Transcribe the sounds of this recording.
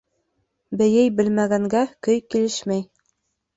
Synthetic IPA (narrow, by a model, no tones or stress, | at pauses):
bɘ̆jɘjbɘ̆lmæɡæŋɡækɵjkilɘʃmæj